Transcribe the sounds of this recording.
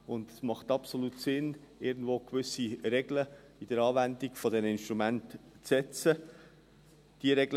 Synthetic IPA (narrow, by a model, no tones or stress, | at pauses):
ʊnd̪ɛsmɑχt̪ɑpsoluːtsɪnɪɾɡn̩dvoːkʋʏsiɾɛɡlə | id̥əɾɑːvændiɡ̥fɔdɛnɪnʃtɾumæntt͡sɛt͡sə | d̥iəɾɛɡ